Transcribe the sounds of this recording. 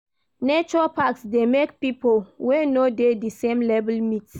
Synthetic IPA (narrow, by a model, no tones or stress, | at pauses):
net͡ʃɔɹapaksdemekpipolwenodedisẽmlɛvɛlmits